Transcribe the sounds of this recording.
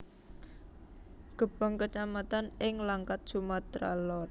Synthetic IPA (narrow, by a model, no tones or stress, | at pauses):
ɡ̥ə̤b̥ɔ̤ŋkət͡ʃamat̪anɪŋlaŋkat̪̚t͡ʃumat̪ɾa̰lɔt̪̚